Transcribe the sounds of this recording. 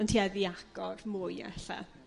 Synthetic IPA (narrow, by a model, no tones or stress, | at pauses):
əntʰiːaðiaɡ̥ɔrmʊjɛ̰ɬa̰